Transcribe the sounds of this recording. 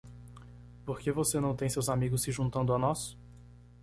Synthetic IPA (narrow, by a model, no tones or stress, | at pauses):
poɾkevosenɐ̃w̃t̪ẽj̃sewzamiɡʊsːɪʒũnt̪ɐ̃nd̪ʊanɔs